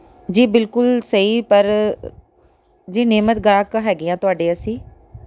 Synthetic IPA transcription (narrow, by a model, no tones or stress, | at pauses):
d͡ʒiːbɪlkʊlsəiːpəɾ | d͡ʒiːneːmət̪ɡɾãːkɦɛːɡeːãːt̪ʊaːɖeːəsĩː